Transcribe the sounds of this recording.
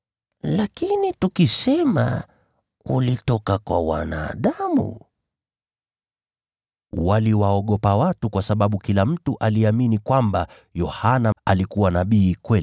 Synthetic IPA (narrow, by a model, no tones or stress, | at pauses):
lakinitukisɛma̰ | ulitɔkakwa̰wa̰na̰ːɗamṵ | waliwaɔɠɔpawatukwasaɓaɓukilam̩tuʔaliaminikwamba | jɔhanaalikuwanaɓiːkwɛli